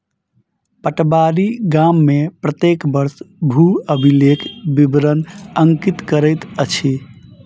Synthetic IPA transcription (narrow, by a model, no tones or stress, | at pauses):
pəʈbaɾiɡamːepɾət̪ekbəɾsbʱuəbʱilekʰbibɾənəŋkit̪kəɾəjt̪ət͡ʃʰi